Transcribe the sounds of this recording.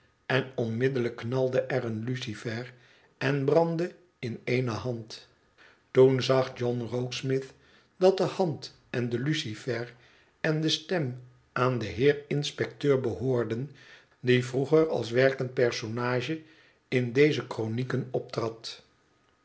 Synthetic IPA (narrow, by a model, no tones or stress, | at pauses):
ɛnɔnmɪdələkːnɑlˠdəʔɛrənlysifɛɹ | ɛnbrɑndə | ɪnejnəɦɑnt | tunzɑχd͡ʒɔnrowksmɪθ | dɑt̚dəhɑnt | ɛndəlysifɛɹ | ɛndəstɛm | ʔaːndəɦɪːɹɪnspɛk̚tøːɹbəɦoːɹdən | divruχəɹɑ̰lˠs̬ʋɛɹkənt̚pɛɹsonaːʒə | ɪndejzəkronikənɔp̚trɑt